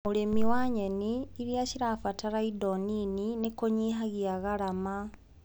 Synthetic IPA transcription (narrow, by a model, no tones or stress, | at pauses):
muɾemiwaɲeniːɾjaɕiɾafataɾaidonininikoɲiɦaɣiaɣaɾama